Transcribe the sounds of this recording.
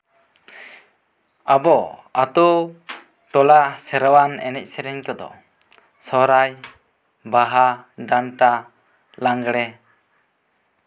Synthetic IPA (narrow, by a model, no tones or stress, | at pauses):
abɔat̪u | ʈɔlasɛɾawanɛ̰nɛc̚sɛɾɛɲk̪ɔd̪ɔ̰ | sɔɾaj | baɦaɖanʈa | laŋɡɽɛ